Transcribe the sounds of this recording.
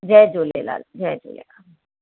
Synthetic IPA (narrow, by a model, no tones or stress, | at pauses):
d͡ʒɛːd͡ʒolḛla̰ld͡ʒɛd͡ʒo̰lḛla